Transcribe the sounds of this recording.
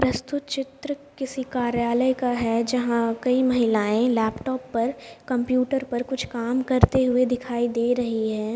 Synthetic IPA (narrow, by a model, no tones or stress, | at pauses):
pɾɐst̪ʊt̪t͡ʃɪt̪ɾəkɪsikaːɾjaːləjkaɦɛd͡ʒɐɦãkɐimɐɦɪlaːẽlɛːpʈɔːpːɐɾkɐ̃mpjuːʈəɾpɐɾkʊt͡ʃʰkaːmkɐɾt̪eɦʊed̪ɪkʰaːid̪eːɾɐɦiɦɛː